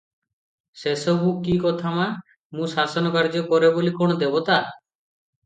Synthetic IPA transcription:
sesɔbʱuʔkːikɔt̪ʰama | mũsasɔnɔkaɾd͡ʒɔkɔɾebolikɔɽ̃ɔd̪ebɔt̪a

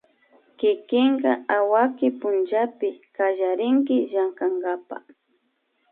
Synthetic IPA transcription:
kɪkɪŋɢɑawakɪpʊnt͡ʃapɪkaʒaɾɪŋkɪʒaŋkaŋɡapa̰

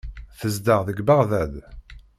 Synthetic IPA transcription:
θəzd̪əʁðəɡbaʁðæd̪

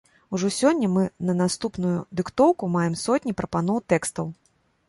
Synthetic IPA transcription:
uʐɔsʲɔnʲːɐmɨnɐnast̪upnujud̪ɨkt̪ɔwkumajɛmsɔtʲnʲipɾɐpan̪ɔwt̪ɛkst̪ɐw

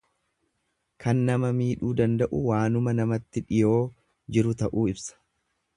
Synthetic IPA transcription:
kʰɐnːɐmɐmiːᶑuːd̪ɐnd̪ɐʔʊwaːnʊmɐnɐmɐt̪ːɪᶑɪjo̞ː | d͡ʒɪɾʊt̪ɐʔuːɪbsɐ̥

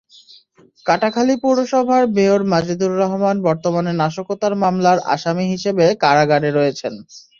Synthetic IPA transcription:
kaʈakʰalipuɾoʃɔbʱaɾbeoɾmad͡ʑid̪uɾːɔɦomanbɔɾt̪omanenaʃokot̪aɾmamlaɾʔa̰ʃamiɦiʃebekaɾaɡaɖeɾɔjet͡ɕʰen

